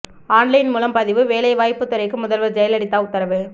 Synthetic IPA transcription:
aːnlɐɪnmuːlɐmpɐðɪʋɯʋeːlɐɪʋaːjpːɯt̪ːɯɾɐɪkːɯmʊðɐlʋɐɾd͡ʒɐjɐlɐɽɪt̪ːaːʊt̪ːɐɾɐʋɯ

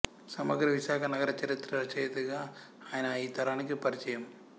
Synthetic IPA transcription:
sɐmɐɡɐɾɐʋɪsaːɣɐnɐɣɐɾɐt͡ʃːɛɾɪt̪ːɾɐɾt͡ʃːɐjɐt̪ɯɣa | aːɐnaːit̪ːɐɾaːnɯkːɯpɐɾɪt͡ʃːɐjɐm

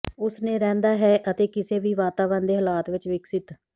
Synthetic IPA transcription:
ʊsnẽːɾɛ̃ːnd̪aːɦɛːʔət̪eːkɪseːʋiːʋaːt̪aːʋənd̪eːɦəlaːt̪ʋɪt͡ʃʋɪksɪt̪

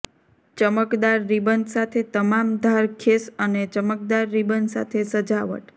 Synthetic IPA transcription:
t͡ʃəməkd̪aɾːibənsat̪ʰet̪əmamd̪ʱaɾkʰesənet͡ʃəmək̚d̪aɾːibənsa̰t̪ʰesəd͡ʒaʋə̰ʈ

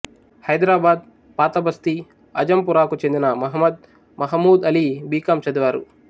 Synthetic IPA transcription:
hɐjd̪ɾaːbaːd̪̚ | paːt̪ɐbɐst̪i | ɐ̰d͡ʒɐmpuɾaːkut͡ʃend̪inɐmɐɦmːɐd̪̚ | mɐɦɐmːuːd̪ɐlibiːkɐmt͡ʃɐd̪iʋaːɾṵ

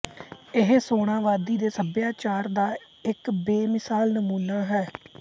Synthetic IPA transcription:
ɪɦsoːɽ̃ãːʋaːd̪iːd̪eːsəbjaːt͡ʃaːɾd̪aː | ɪkbeːmɪsaːlnəmuːnaːɦɛː

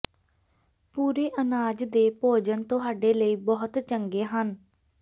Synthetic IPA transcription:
puːɾeːʔənaːd͡ʒd̪eːpoːd͡ʒənt̪ʊɦaːɖeːləiːbɔːʊt̪t͡ʃəŋɡeːɦən

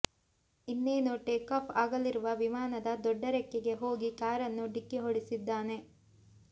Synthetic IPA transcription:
inːeːnuʈeːkaːpʰaːɡɐlːiɾuʋɐʋimaːnɐd̪ɐd̪ɔɖːɐɾɛkːeɡe̞ɦo̞ːɡikaːɾɐnːuɖikːiɦoɽisid̪ːaːne̞

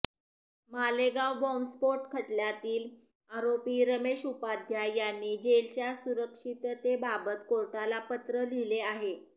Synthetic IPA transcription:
maleɡawbɔmspoɾʈkʰəʈljat̪iːl | aɾopiːɾəmeʂupad̪ʱjajanːiːd͡ʑelt͡ɕjasuɾəkʂit̪t̪ebabət̪koɾʈalapət̪ɾəlileaɦe

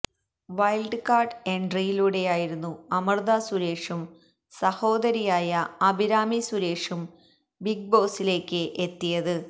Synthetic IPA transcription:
ʋɐjlɖɨkaːrɖeɳɖrijiluːɽe̞jaːjiɾunːuɐmɐrd̪aːsuɾe̞ːʂum | sɐho̞ːd̪ɐɾijaːjɐɐbʱiɾaːmisuɾe̞ːʂum | biɡ̚bo̞ːsile̞ːkːɨʔet̪ːijɐðɨ

